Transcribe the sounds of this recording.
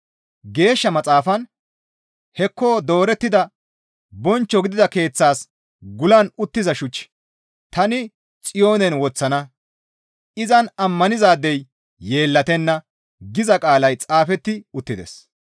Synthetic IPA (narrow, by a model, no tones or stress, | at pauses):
ɡe̞ːʃːɐmɐt͡sʼaːfɐn | hɛkːo̞ːd̪o̞ːɾɛt̪ːɪd̪ɐ | bɔnt͡ʃːɔɡɪd̪ɪd̪ɐke̞ːt͡sːaːs | ɡʊlɐnʊt̪ːɪzɐʃʊt͡ʃː | t̪ɐnɪ | t͡sʼɪjo̞ːnɛnwɔt͡sːɐnɐ | ɪzɐnɐmːɐnɪzaːd̪ɛj | je̞ːlːɐt̪ɛnːɐ | ɡɪzɐkʼaːlɐjt͡sʼaːfɛt̪ːɪʊt̪ːɪd̪ɛ̰s